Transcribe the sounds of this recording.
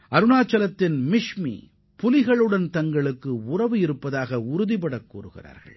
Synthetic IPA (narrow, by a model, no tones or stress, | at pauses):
ʔɐɾɯnaːt͡ʃːɐlɐt̪ːɪnmɪʂmḭ | pʊlɪɣɐɭɯɽɐnt̪ɐŋɡɐɭɯkːɯʊrɐʋɯɪɾɯpːɐðaːɣɐʊɾʊðɪpɐɽɐkːṵːrɯɣɪ̰ra̰ːɾɣɐ̰ɭ